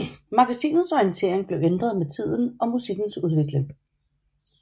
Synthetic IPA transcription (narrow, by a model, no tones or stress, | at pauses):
mɑ̈ɡ̥æsḭːnð̩ˠsɔint͡sʰe̝̰ɐ̰eŋb̥le̝ʊend̥ʁɐðˠmet͡sʰið̞̰ˠn̩ɒ̽musiɡ̥n̩suð̞ˠʋe̝ɡ̥le̝ŋ